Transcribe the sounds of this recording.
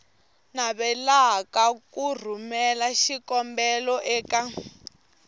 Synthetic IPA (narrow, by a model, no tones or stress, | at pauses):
naβɛlakakur̤umɛlaʃikɔmbɛlɔʔɛːka